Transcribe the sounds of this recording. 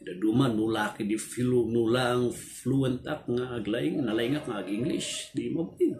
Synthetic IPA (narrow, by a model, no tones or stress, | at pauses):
dadumanulakidifilunulaŋfluent̪ak̚ŋaːɡlaiŋnalaiŋakŋaɡiŋɡlḭsdimobi